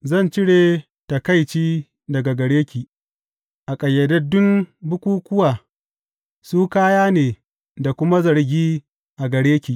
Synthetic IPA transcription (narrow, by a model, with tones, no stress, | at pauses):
zɐ˦˨nt͡ʃɪ˦ɽeː˨ | ta˨ka˦˨jt͡ʃiː˦ | dɐ˨ɡa˨ɡɐ˨ɽeː˦kʲiː˨ | ʔa˨kʼɐ˨jːɐ˨dɐ˦dʊ˦mbʊ˦kʷuː˦kʷʊ˦waː˨ | suː˦kaː˦jaː˦neː˨ | da˨kʷʊ˦ma˦zɐ˨ɾɡʲiː˦ | ʔa˨ɡɐ˨ɽeː˦kʲiː˨ʔ